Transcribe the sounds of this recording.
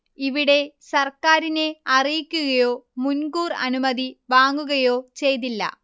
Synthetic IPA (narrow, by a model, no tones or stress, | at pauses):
iʋiɽe̞sɐrkaːɾine̞ɐrijikʲːuɣɐjo̞ːmunɡuːrɐ̰numɐðiʋaːŋɡuɣɐjo̞ːt͡ɕe̞jt̪̬ilːɐ̰